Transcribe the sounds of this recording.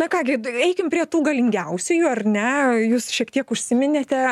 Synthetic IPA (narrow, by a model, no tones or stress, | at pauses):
nɐkɑːɡʲɪɛɪkʲɪmpʲɾʲiɛt̪uːɡɐlʲɪŋʲɡʲɛʊsʲʊjuɐrʲnʲɛjuːsʃʲiɛkt̪ʲiɛkʊʃʲsʲɪmʲɪnʲeːt̪ʲɛ